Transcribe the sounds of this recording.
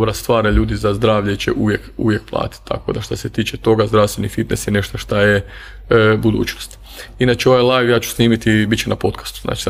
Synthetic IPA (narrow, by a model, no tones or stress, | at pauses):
bɾast̪ʋaːɾeʎuːd̪izazd̪ɾaːʋʎet͡ʃḛʔuʋjekṵʋjek̚plˠa̰ːt̪i̥t̪t̪ːa̰ko̞̰d̪aʃt̪oset̪iːt͡ʃet̪o̞ɡazd̪ɾaʋst̪ʋe̞nifit̪nesjene̞ʃt̪oʃt̪aje | bud̪ṵːt͡ʃno̞st̪ | inat͡ʃeo̞ʋajlˠajʋjaːt͡ʃu̥sniːmit̪ibit͡ʃenapo̞t̪kḁst̪u̥zna̰ːt͡ʃi̥